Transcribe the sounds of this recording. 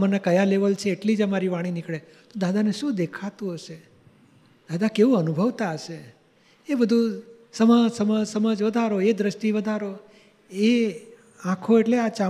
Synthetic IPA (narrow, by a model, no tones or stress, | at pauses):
mənakəjaleʋəlt͡ʃʰeːʈlid͡ʒəmaɾiʋaɽ̃inikɭe | t̪od̪ad̪ʱaneʃũd̪ekʰat̪ũɦəʃe | d̪ad̪ʱakeʋũənubʱəʋt̪aəʃe | ebəd̪ʱũ | səməsəməsəməd͡ʒʋəd̪ʱaɾoed̪ɾəsʃʈiʋəd̪ʱaɾo | e | ãkʰoeʈleat͡ʃa